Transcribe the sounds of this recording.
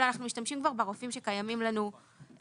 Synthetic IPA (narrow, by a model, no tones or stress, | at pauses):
lanaχnumiʃtamʃimkvaʁbeʁofimʃekajamimlanu